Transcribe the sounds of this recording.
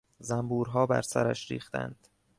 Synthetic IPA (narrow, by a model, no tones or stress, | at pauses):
zæmbuːɾɦɒːbæ̰ɾsæɾæʃɾḭːxt̪æ̰nd̪̥